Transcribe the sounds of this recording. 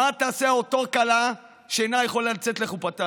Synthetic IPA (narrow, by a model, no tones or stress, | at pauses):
at̪aːseaot̪o̞kala | ʃeenajeχolːalt͡set̪leχupat̪a